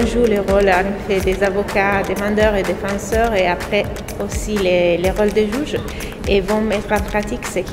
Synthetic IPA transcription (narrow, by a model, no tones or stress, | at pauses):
ʒuleʁolãnefɛd̪ezavokad̪emɑ̃d̪œʁed̪efɑ̃sœʁeapχɛ | osileleʁɔld̪əʒuʒ | evɔ̃mɛt̪χɑ̃pχat̪iksek